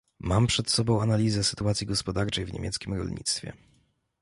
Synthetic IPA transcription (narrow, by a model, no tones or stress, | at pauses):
mampʂɛt̪sɔbɔ̃w̃analʲizɛsɘ̥t̪uat̪sʲjiɡɔspɔd̪aɾt͡ʂɛjvɲḛmʲjɛt̪skʲimɾɔ̰lɲḭt̪st̪fʲjɛ̰